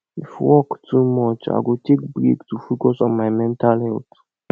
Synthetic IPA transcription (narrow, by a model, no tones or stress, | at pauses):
ifwɔktʰumɔt͡ʃa̰ɡotʰek̚bɾḭɡtufokɔsɔ̃nmajmɛ̃ntʰalhɛlt